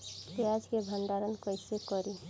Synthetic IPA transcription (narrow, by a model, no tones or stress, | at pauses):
kead͡ʒkebʱənɖaːɾənkɔɪsekɔɾi